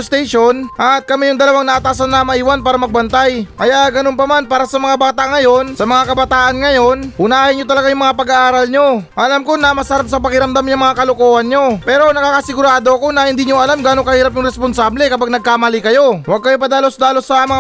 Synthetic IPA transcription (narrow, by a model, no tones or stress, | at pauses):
st̪ɛjʃo̞nʔɐt̪̚kɐmɛjʊŋd̪ɐlɐwaŋnɐʔat̪aːsɐnːɐmɐʔiːwanpaːɾɐmɐɡ̚bɐnt̪ajkɐjaɡɐnonpɐmanpaːɾɐsɐmɐŋabaːt̪aŋɐjo̞nsɐmɐŋakɐbɐt̪aːʔɐnŋɐjo̞nhʊnaːhɪnɲot̪ɐlɐɡajʊŋmɐŋapɐɡaʔaːɾalɲo̞ʔɐlamko̞nɐmɐsɐɾap̚sɐpɐkɪɾɐmd̪amɲaŋmɐŋakɐlokoːhɐnɲo̞pɛːɾo̞nɐkaːkɐsɪɡʊɾaːd̪o̞ɐko̞nɐhɪnd̪iːɲoʔɐlamɡaːnokɐhiːɾɐp̬̚jʊŋɾɛsponsablɛkɐpaɡ̚nɐɡ̚kaːmalikɐjo̞waɡ̚kɐjo̞pɐd̪aːlo̞sd̪aːlosɐmɐŋ